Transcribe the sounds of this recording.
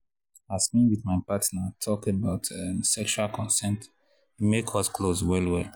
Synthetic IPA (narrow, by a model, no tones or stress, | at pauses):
asmĩwiθmaɪpatnatʰɔkebaʊtʰãnsɛkʃualkʰɔ̃nsɛ̃nt | mekʰɔskʰlozwɛlwɛl